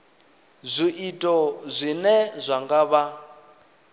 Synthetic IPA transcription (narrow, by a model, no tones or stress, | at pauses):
zʷiʔitʼɔzʷinɛzʷaŋɡaβa